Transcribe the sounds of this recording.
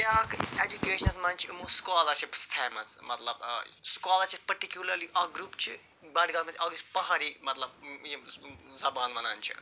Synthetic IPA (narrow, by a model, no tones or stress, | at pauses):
aked͡ʒukeːʃɐnɐsmɐːnt͡ʃʰimoskaːlɐɾʃipsfʰɛːmɐsmɐt̪lɐbskaːlɐɾʃip̚pɐɾʈikjulɐɾliʔɐɡɾuːpt͡ʃʰi | bɐɖɡɐlmãnt͡ʃʰɐɡut͡ʃʰpɐɦaɾimɐt̪lɐb̚ | zɐbaːnbɐna̰ːnt͡ʃʰḭ